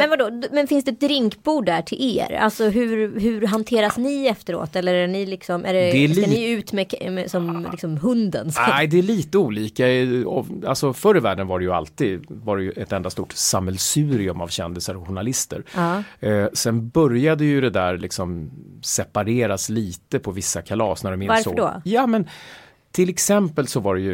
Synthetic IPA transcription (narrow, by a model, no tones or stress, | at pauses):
mɛnvaɖoːd̪mɛnfɪnsd̪ɛt̪̚d̪ɾɪŋkbuːɖːæʈʰɪlʔḛːɾa̰lsɔɦʉ̟ɾɦʉ̟ɾɦant̪ʰeːɾasnɪɛft̪əɾo̰ːt̪ɛlːəɾæɳɪlɪksɔmʔæ̰ɖɛd̪ɛɪʉ̟ːt̪mɛkmɛ̰sɔmlɪksɔmɦɵnd̪ə̰nsæjd̪ɛæɭiːt̪əuːliːkaɛɔalsɔfœɾəvæːɖənvaɖɛjɵa̰lt̪iːd̪vaɾɛjɵʔɛt̪ɛnd̪ast̪uːʈsamɛlsʉ̟ːɾɪɵma̰vɕɛnd̪ɪsəɾɔɧʊɳalɪst̪ə̰ɾɑːsɛnbœɾjad̪əjɵd̪ɛd̪æɾlɪksɔmsɛpaɾeːɾasliːt̪əpʰɔvɪsːakʰalɑ̰ːsnæɖɵmɪnvaɾsəɖɔ̰jɑːmɛn | t̪ʰɪlɛksɛmpəlsɔvaɖɛjɵ